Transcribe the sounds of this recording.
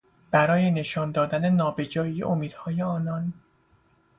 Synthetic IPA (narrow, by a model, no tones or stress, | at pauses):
b̥æɾɒːje̞ne̞ʃɒːnd̪ɒːd̪æne̞nɒːbe̞d͡ʒɒːiḛʔomiːd̪hɒːje̞ɒːnɒn